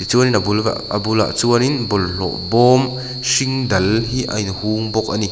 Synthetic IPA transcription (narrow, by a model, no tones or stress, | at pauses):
it͡suɐninabula̰ɐ̰bula̰ʔt͡suɐninbɔllɔ̰ʔbɔm | siŋdɐlhiʔɐ̰jnhuŋbɔk̚ʔani